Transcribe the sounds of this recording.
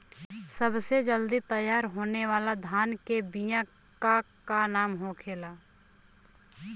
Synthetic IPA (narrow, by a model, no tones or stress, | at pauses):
səbsed͡ʒəld̪it̪əjːaːɾɦoːneʋaːlad̪ʱaːnkebijã | kakanaːmɦokʰeːlaː